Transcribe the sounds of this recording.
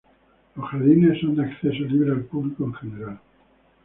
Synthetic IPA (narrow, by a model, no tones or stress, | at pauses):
losxaɾðinesond̪eakθesoliβɾealpuβlikoeŋxeneɾal